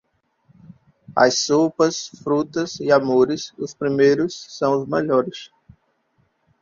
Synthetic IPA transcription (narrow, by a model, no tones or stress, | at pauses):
ɐ̰jsopɐsfɾut̪ɐsiamoɾɪsʊspɾimejɾʊsːɐ̃w̃ʊzmeʎɔɾɪs